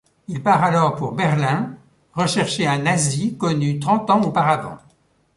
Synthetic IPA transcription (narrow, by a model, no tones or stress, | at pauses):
ilpaʁalɔʁpuʁbɛʁlɛ̃ | ʁəʃɛʁʃeɛ̃nazikɔnyt̪χɑ̃t̪ɑ̃opaʁavɑ̰̃